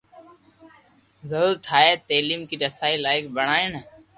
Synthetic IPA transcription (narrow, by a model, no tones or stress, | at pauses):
zəɾuːɾʈʰaːeːt̪eːliːmkiːɾəsaːiːlaːɪkbəɳaːɪn